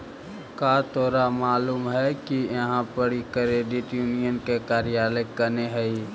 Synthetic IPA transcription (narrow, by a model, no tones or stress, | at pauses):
kat̪ɔːɾamaːluːmɦɛkijɐɦãpəɽikɾeːɖɪʈjuːnijənkekaːɾijaːləkːəneɦɛi